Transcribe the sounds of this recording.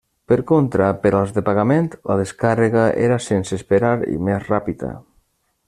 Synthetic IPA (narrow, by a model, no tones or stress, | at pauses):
pəɾkont̪ɾapeɾalˠzðepaɣ̞ament̪la̰ðeskareɣaʔḛɾasensespeɾaɾḭmezrapiða̰